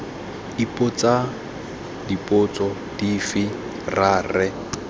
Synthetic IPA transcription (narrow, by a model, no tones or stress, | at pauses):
ipʼʊt͡sʼa | dipʼʊt͡sʼɔ | difɪ | raːrɛ